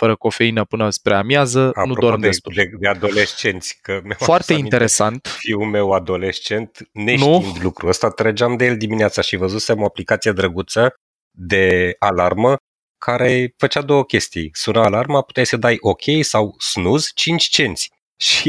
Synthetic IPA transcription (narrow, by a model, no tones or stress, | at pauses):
fəɾəko̞fe̞inəpɨnəspɾeamjazəanud̪oaɾmd̪d̪est̪ued̪ead̪o̞leʃt͡ʃe̞nt̪sʲkəmafoartt̪e̞ine̞ɾe̞sant̪fiwume̞wad̪o̞lest͡ʃe̞nt̪nenʃuind̪lukɾuəst̪at̪ɾed͡ʒeamd̪ejelʲd̪imineat̪saʃivəzusemo̞aplikat̪sijed̪ɾəɡut̪sə | d̪e̞alarmə | kʰaɾe̞fət͡ʃad̪o̞wəkʲe̞st̪ḭjsunaːlarmapu̥t̪eajsəd̪ajʔo̞kʲʰe̞jsawsnuzt͡ʃint͡ʃʲt͡ʃe̞nt̪sʲ | ʃi